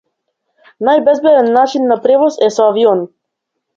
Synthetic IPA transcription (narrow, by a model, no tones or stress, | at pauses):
najbɛzbɛd̪ɛnːat͡ʃinːapɾɛvɔsɛsɔaviɔn